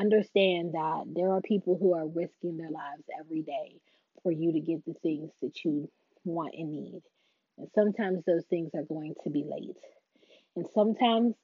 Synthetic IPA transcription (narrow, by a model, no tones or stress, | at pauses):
ʌ̃ndə˞stæ̃nðət̪̚ðə˞ːpʰipl̩ˠɦuə˞ɹɪskɪ̃ŋðə˞laɪvzɛvɹideɪ | fə˞jɨɾɨɡɛt̪̚ðɨθɪ̃ŋz̥ðɨt͡ʃɨ | wɑ̃nʔɨ̃nːḭd̥ | ɨ̃nsʌ̃mtʰãɪ̃mzðoʊz̥θɪ̃ŋzə˞ɡoʊɪ̃ŋtʰɨbilḛɪt̚ | ɨ̃nsʌ̃mtʰãɪ̃mz̥